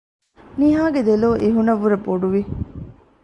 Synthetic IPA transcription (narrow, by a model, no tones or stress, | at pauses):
niɦaːɡed̪eloːʔiɦunɐʋːuɾɐboɖuʋi